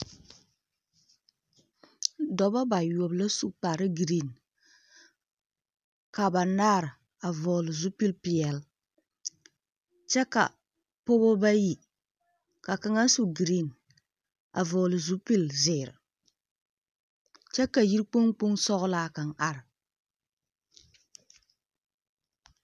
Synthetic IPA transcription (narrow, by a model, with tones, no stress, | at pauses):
dɔ˨ba˦ba˨jo˨bla˦su˦k͡pa˨ɾɨ˦ɡɾi˦˨n | ka˨ba˨naː˦ɾɨ˨ | a˨vɔː˨lɨ˨zu˦pi˦lpi˨ɛ˨l | t͡ʃɛ˦ka̰˨ | po˦bo˦ba˦ji˨ | ka˨ka˦ŋa˦su˦ɡɾi˦˨n | a̰˨vɔ˨lɨ˨zu˦pi˦˨lzɪː˨ɾɨ̰˨ | t͡ʃɛ˦ka˨ji˦ɾk͡po˦ŋk͡pu˦ŋsɔ˦ɣʊ˦laː˦ka˨ŋʔa˦ɾɨ˨